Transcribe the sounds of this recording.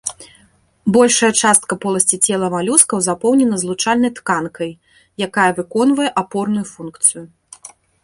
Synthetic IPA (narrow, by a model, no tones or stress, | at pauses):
bɔlʲʂɐjɐt͡ʂast̪̚kɐpɔlˠɐsʲt͡sʲit͡sʲɛlˠɐmalʲuskɐwzapɔwnʲɛnɐzlˠut͡ʂalʲnɐjt̪kankɐj | jakajɐvɨkɔn̪vɐjɛʔapɔrnujufunkt̪sɨju